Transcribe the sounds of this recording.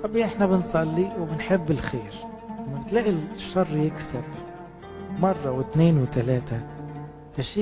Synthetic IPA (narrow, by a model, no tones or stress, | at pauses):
t̪ˤɑbiʔɪħnabɪnsˤɑlːiwɪbɪnħɪbːɪlxeːɾ | amːabɪt̪laːʔilʃːɑrˤːjɪksab | mɑrˤːɑwɪt̪neːnwɪt̪alaːt̪a | laʃiː